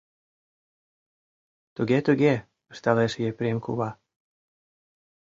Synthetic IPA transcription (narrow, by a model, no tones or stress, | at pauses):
t̪uɣet̪uɣe | əʃt̪ɑleʃjepɾʲemkṵβɑ